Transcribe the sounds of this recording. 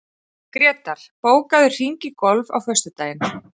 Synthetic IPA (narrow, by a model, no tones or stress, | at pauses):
kɾɛːt̪aɾ̥poːwkaðʏr̥iɲcɪkɔlva̰wfœ̥st̪ʏt̪aːjɪn